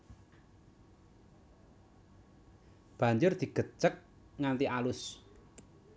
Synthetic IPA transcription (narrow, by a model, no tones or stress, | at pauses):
b̥a̤ɲd͡ʒʊrd̪̥i̤ɡ̥ə̤t͡ʃək̚ | ŋant̪iʔalʊs